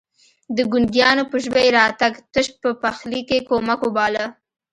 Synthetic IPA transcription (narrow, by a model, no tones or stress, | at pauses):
d̪əɡʊnd̪jɑnopəʒbajɾɑt̪aɡt̪əʃ̚pəpaxlikekomakobɑla